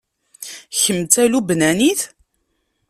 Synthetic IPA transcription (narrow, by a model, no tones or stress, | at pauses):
çəmt͡s̪ælubnæniθ